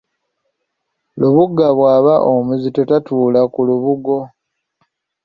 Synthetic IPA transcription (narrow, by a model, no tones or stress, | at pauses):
luβuɡaβwaːβaʔomuzito̞tatuːlakuluβuɡo̞